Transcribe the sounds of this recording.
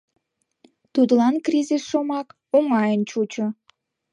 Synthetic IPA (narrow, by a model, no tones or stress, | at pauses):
t̪ud̪əlɑnkrʲizʲisʃomɑk | oŋɑjənt͡ɕut͡ɕo